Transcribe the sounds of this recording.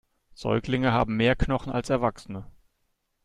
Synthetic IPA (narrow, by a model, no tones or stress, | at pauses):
z̥ɔ̰ʏklɪŋəɦaːbm̩meːɐknɔχn̩a̰lsɛɐvaksənə